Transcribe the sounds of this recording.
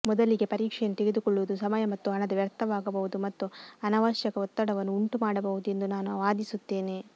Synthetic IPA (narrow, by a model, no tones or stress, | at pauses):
mɔd̪ɐliɡe̞pɐɾiːkʂɛjɐnːut̪eɡed̪ukɔɭːuʋud̪usɐmɐjɐmɐt̪ːuɦɐɳɐd̪ɐʋjɐɾt̪ʰːɐʋaːɡɐbɐɦud̪umɐt̪ːuɐnɐʋɐʃjɐkɐɔt̪ːɐɽɐʋɐnːuuɳʈumaːɽɐbɐɦud̪ue̞nd̪unaːnuʋaːd̪isut̪ːe̞ːneː